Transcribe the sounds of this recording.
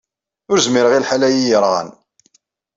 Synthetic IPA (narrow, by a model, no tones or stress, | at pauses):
ʊɾzmiɾəʁilħalæjijəɾˤʁə̰n